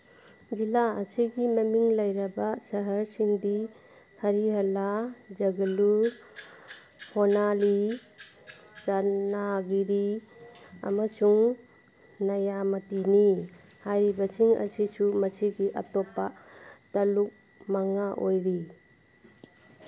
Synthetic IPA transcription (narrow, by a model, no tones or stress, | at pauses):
d͡ʒilaɐ̰siɡimɐmiŋlɐjɾɐbasɐɦɐɾsiŋdi | hɐɾiɦɐlad͡ʒɐɡɐlu | honali | t͡ʃanaɡiɾi | ɐ̰mɐsuŋ | nɐjamɐtini | hajɾibɐsiŋɐ̰sisumɐsiɡiʔɐ̰tɔpːatɐluk̚ | maŋaʔojɾi